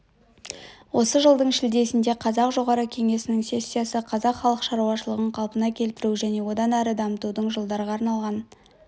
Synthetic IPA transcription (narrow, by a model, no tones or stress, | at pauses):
wo̞səʒəlˠd̪əɴʃɪld̪e̞sɪnd̪e̞qʰɑzɑqʒo̞ʁɑɾəkʲʰe̞ŋe̞sɪnɪŋse̞sʲːijasəqʰɑzɑqχɑlˠəqʃɑɾuwɑʃəlˠəʁəɴqʰɑlˠpənɑkʲʰe̞lt̪ɪɾuʒæne̞wo̞d̪ɑnæɾəd̪ɑmət̪ud̪əɴʒəlˠd̪ɑɾəʁɑːɾnɑlˠʁɑn